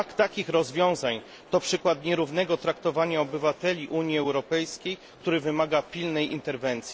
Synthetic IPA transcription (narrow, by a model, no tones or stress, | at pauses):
kt̪akʲixɾɔzvʲjɔ̃w̃zaɲ | t̪ɔpʂɘkwat̪ɲɛɾuvn̪ɛɡɔt̪ɾakt̪ɔvaɲaɔbɘvat̪ɛlʲiʔuɲiɛwɾɔpɛjskʲejk̚t̪uɾɘvɘmaɡapʲilnɛjʔḭnt̪ɛɾvɛnt̪sʲi